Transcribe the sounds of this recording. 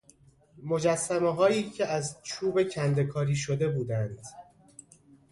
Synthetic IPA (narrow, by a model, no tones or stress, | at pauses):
mo̞d͡ʒæsːæmeɦɒːjiːcʰeæzt͡ʃʰuːbe̞cʰænd̪e̞kʰɒːɾiːʃod̪e̞buːd̪ænd̪̥